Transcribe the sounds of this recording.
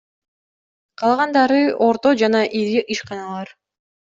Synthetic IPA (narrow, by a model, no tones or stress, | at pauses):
qʰɑlˠʁɑnd̪ɑɾɯo̞ɾt̪o̞d͡ʒɑnɑʔiɾiɯʃqɑnɑlˠɑɾ